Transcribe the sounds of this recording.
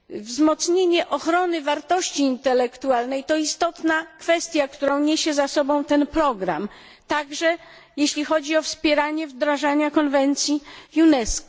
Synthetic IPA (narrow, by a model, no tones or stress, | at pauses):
vzmɔt̪sɲeɲɛʔɔxɾɔnɘvaɾt̪ɔɕt͡ɕiːnt̪ɛlɛkt̪ualnɛjt̪ɔist̪ɔt̪nakfɛst̪ʲjakt̪uɾɔ̃w̃ɲeɕɛzasɔbɔ̃w̃t̪ɛnpɾɔɡɾa̰m | t̪aɡʐɛ | jeɕlʲixɔd͡ʑiɔfspʲjeɾaɲɛvd̪ɾaʐaɲakɔnvɛnt̪sʲjijunɛsk